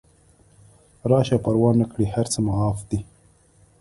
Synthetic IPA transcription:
ɾɑːʃapaɾwɑːnːakɽihaɾt͡səmaɑːfd̪̥i

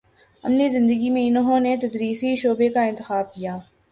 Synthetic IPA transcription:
ɐ̰mnizɪ̃nd̪əɡimẽɪnoɦõnet̪ɐd̪ɾiːsiʃoːbekaɪ̃nt̪ɪxaːb̚kijaː

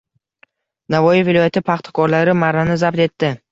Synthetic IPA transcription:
navɒjɪvɪlɒjat̪ʰɪpʰaχt̪ʰḁkʰɒɾlaɾɪmaɾanɪzabt̪e̞t̪ːɪ

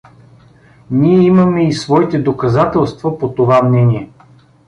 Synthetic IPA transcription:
niɛiməmɛisvɔit̪ɛd̪okɐzat̪ɛlˠst̪vəpot̪ovamnɛniɛ

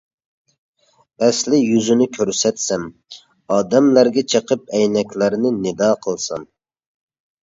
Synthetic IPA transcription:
ɛslɪjyzynɪkʲʰøɾsɛt̪sɛm | ɑːd̪ɛmlæɾɡʲɛt͡ʃʰəqəp̚ɛjnɛkʲlæɾnɪnɪd̪ɑːqʰəlˠsɑ̰n

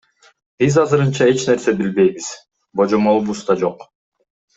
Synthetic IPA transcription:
b̥izɑzɯɾɯnt͡ʃɑe̞t͡ʃne̞ɾse̞bilbe̞jβiz̥ | bo̞d͡ʒomolˠbust̪ɑd͡ʒo̞q

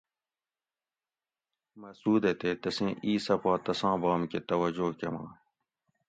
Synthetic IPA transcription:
mɐsuːd̪et̪eːt̪ɐsẽːʔiːsɐpaːt̪ɐsãːbaːmket̪ɐwɐd͡ʑoːkɐmã̰ː

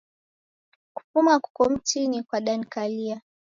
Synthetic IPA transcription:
ku̥pumaku̥kɔm̩tinikwaɗan̩kalia

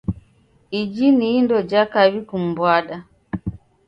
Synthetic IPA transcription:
id͡ʒiniːndɔd͡ʒakaβikum̩bwaɗa

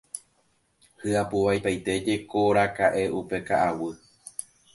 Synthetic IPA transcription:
hɨapuʋajpajt̪e̞d͡ʒe̞koɾakaʔe̞upe̞kaʔawɨ

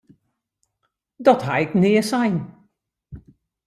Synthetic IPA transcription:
dɔthaɪknɪːəsajn

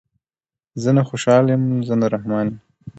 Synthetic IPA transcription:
zənaxoʃɑljemzənaɾahmɑnem

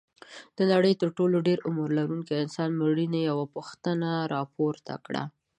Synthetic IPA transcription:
d̪̥ənaɽəjt̪əɾʈoloɖeɾʊmuɾlaɾuŋkiɪnsɑnməɽinajawapuxt̪ənaɾɑpoɾt̪ʰa̰kɽa̰

